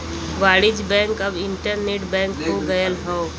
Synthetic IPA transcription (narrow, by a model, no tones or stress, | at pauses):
ʋaːɽɪd͡ʒbɛ̃ŋkəbɪɳʈəɾneʈbɛ̃ːŋkɦoɡəjəlɦɔ̃